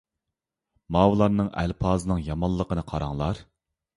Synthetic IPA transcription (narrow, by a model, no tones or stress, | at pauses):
mɑːwlˠɑɾnɨŋɛ̰lpʰɑːzɨnɨŋjɑmɑlˠːəqʰənɨqʰɑɾɑŋlˠɑɾ